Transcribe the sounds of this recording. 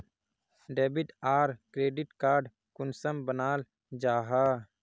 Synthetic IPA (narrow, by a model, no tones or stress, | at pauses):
ɖeːbɪʈaːɾkɾeːɖɪʈkaːɾɖ | kʊnsəmbənaːl | d͡ʒaːɦaː